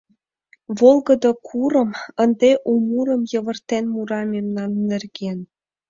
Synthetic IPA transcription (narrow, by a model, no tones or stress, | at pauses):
βolˠɡɤ̆d̪ɤkʰuɾɤ̆mə̆nd̪eʔumuɾɤ̆mjɤ̆βɤ̆rt̪enmuɾɑmemnɑnːĕrɡen